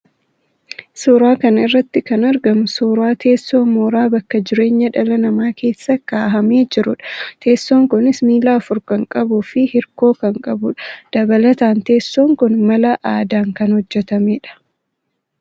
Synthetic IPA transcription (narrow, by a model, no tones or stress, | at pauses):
soːɾaːkɐnɐɪrːɐt̪ːɪkɐnɐɾɡɐmʊsoːɾaːt̪ʰe̞ːsːoːmoːɾaːbɐkːɐd͡ʒɪɾe̞ːɲːɐᶑɐlɐnɐmaːke̞ːsːɐkaːɦɐme̞ːd͡ʒɪɾʊᶑɐ̥t̪ʰe̞ːsːoːŋkʊnɪsmiːlaːfʊɾkɐŋkʼɐbuːfɪhɪɾko̞ːkɐŋkʼɐbʊᶑɐ̥d̪̥ɐbɐlɐt̪aːnt̪e̞ːsːoːŋkʊnmɐlɐʔaːd̪aːŋkɐnhɔd͡ʒːɛt̪ɐmeːᶑɐ̥